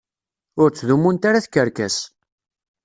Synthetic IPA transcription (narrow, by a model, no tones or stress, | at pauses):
ʊɾt͡sːðumːunt̪aɾaθkːəɾkæs